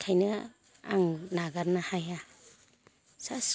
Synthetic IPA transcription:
kʰajnɯ | a̰ŋnaɡaɾnahaja | sas

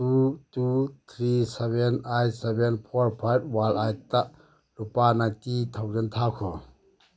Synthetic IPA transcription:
tutut̪ʰɾisebenajsebenpʰɔɾpʰajb̚walajtaʔ | lupanatit̪ʰawd͡ʒent̪ʰakʰɔ

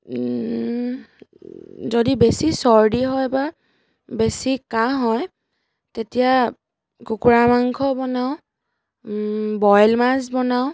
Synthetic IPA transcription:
zodibesisɔɹdiɦɔjba | besikaɦɔj | tetija | kukuɹamaŋkʰɔbɔnaʊ̃ | bɔjlmazbɔnaʊ̃

